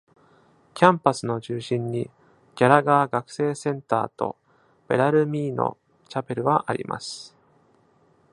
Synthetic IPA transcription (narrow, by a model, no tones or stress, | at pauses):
kʲãmpasɨno̞t͡ɕɨːɕĩɲːi | ɡ̥ʲaɾaɡaːɡakɯ̥se̞ːsẽ̞nt̪a̰ːt̪o̞̰ | b̥e̞ɾaɾɯ̟mʲiːno̞̰ | t͡ɕape̞ɾɯ̟βaʔaɾʲḭmʔa̰sɨ̥